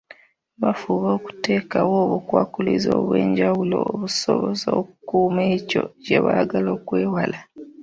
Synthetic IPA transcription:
βafuβoːku̥te̞ːkawoːβukwaːkulizoːβwe̞̰ːɲɟawulo̰oβusoβozookukuːmeco̞̰ɟeβaaɡaloːkwe̞ːwala

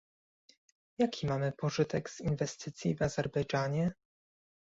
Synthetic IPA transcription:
jakʲʰimamɘpɔʐɘt̪ɛɡz̥invɛst̪ɘt̪sʲjivazɛɾbɛjd͡ʐaɲɛ

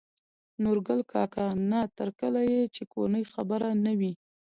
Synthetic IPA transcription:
noɾɡəlkɑkanat̪əɾkəlajet͡ʃeko̰nəjxabəɾanawi

